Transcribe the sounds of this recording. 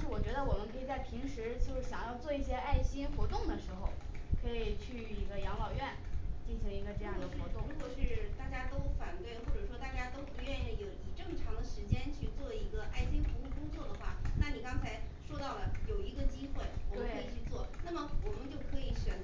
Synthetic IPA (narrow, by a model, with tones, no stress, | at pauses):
ʂɻ̩˥˩wɔ˨˩t͡ɕɥɛ˧˥d̪ə˧wɔ˨˩mə˦nkʰɤ˧˥i˨˩t͡sa˥˩ɪpʰi˧˥ŋʂɻ̩˧˥t͡ɕjo˥˧ʊʂ̩˥˩ɕjɑ˨˩ŋjɑ˥˧ʊt͡swɔ˥˧i˥˩ɕjɛ˥ʔa˥˩ɪɕi˥nxwɔ˧˥t̪ʊ˥˩ŋd̪ə˩ʂɻ̩˧˥xo˧ʊkʰɤ˧˥i˨˩t͡ɕʰy˥˩i˧˥ɡə˧jɑ˧˥ŋlɑ˨˩ʊɥɛ˥˩nt͡ɕi˥˩nɕi˧˥ŋi˧˥ɡə˧ʈ͡ʂɤ˥˧jɑ˥˩ŋd̪ə˧˩xwɔ˧˥t̪ʊ˥˩ɻu˧˥kwɔ˨˩ʂɻ̩˥˩t̪a˥˩t͡ɕja˥t̪o˥ʊfa˨˩nt̪we˥˩ɪxwɔ˥˩ʈ͡ʂɤ˨˩ʂwɔ˥t̪a˥˩t͡ɕja˥t̪o˥ʊpu˧˥ɥɛ˥˧ni˥˩˧jo˧˥ʊi˨˩ʈ͡ʂɤ˥˩ŋʈ͡ʂʰɑ˧˥ŋd̪ə˧ʂɻ̩˧˥t͡ɕjɛ˥nt͡ɕʰy˥˧t͡swɔ˥˩i˧˥ɡə˧ʔa˥˩ɪɕi˥nt̪ʰʊ˧˥ŋu˥˩kʊ˥ŋt͡swɔ˥˩d̪ə˩xwa˥˩na˥˩ni˨˩kɑ˥ŋt͡sʰa˧˥ɪʂwɔ˥t̪ɑ˥˩ʊlə˩jo˨˩ʊi˧˥ɡə˧t͡ɕi˥xwe˥˩ɪwɔ˨˩əwe˥kʰi˨˩t͡ɕʰy˥˧t͡swɔ˥˩na˥˩mə˩wɔ˨˩mə˧˦nt͡ɕjo˥˩ʊkʰɤ˧˥i˧˥ɕɥɛ˨˩n